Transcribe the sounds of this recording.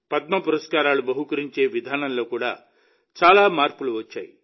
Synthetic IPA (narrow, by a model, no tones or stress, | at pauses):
pɐt̪̚mɐpuɾɐskaːɾaːlubɐɦukɐɾiɲt͡ʃe̞ːʋid̪ʱaːnɐnlo̞ːkuːɽa̰ː | t͡ʃaːlaːmaːɾpuluʋɐt͡ʃːa̰ːji